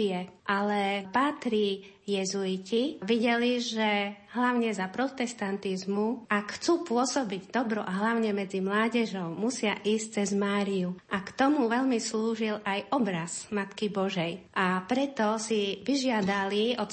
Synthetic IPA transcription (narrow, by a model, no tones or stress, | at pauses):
ɛʔalɛpaːt̪ɾi | jɛzuiciʋiɟɛliʒɛɦlaʊɲɛzapɾɔt̪ɛst̪ant̪izmuʔakxt͡suːpʊɔsɔbiɟd̪ɔbɾɔʔaɦlaʊɲɛmɛd͡zimlaːɟɛʒɔʊmusɪaʔiːsc̚t͡sɛzmaːɾijuʔakt̪ɔmuʋɛʎmisluːʒilajʔɔbɾazmat̪kibɔʒɛjʔapɾɛt̪ɔsiʋiʒɪad̪aliɔ